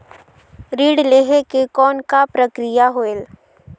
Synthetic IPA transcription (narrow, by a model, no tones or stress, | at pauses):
ɾiːɽleːɦekekɔːnkapɾəkɾɪjaɦoel